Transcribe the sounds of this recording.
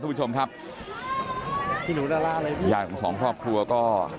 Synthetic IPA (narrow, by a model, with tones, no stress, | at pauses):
u˥t͡ɕo˧mkʰa˦˥p̚ | pʰiː˧˩nuː˨˦naː˧laː˥˩˧laː˧jt̪ʰi˥˩jaː˧˩kʰɔː˨˩˦sɔː˩˦ŋkʰɾɔː˥˩p̚kʰɾu˧ɐkɔː˥˩